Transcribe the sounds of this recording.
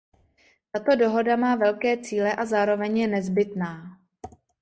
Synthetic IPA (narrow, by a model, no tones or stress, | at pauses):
t̪at̪o̞do̞ɦo̞damaːvɛlkɛːt͡siːlɛʔazaːɾo̞vɛɲjɛnɛzbɪt̪naː